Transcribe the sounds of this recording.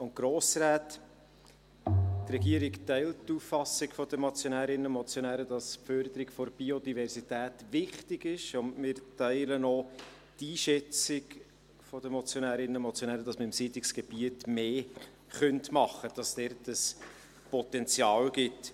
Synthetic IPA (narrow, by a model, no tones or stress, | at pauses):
ʊnt̚ɡ̥ɾoːsɾæːt | trɛɡiəɾɪktɛɪlttːuːfːɑsɪɡfɔd̪əmɔt͡sjonæːɾɪnəʊmɔt͡sjonæːɾəd̥ɑspfœɾd̪əɾɪɡfɔɾb̥iodivɛɾsitæːtʋɪχtɪɡɪʃʊndmɪːɾtɛɪlənoː | tiːʃɛt͡sɪɡ | fɔd̥əmɔt͡sjonæːɾɪnəʊnmɔt͡sjonæːɾədɑsməɪmsiːtlɪksɡ̥eb̥iətmeː | χœntmɑχːəd̥ɑsd̥ɛɾtəs | pɔt̪ɛnt͡sjɑːlɡɪt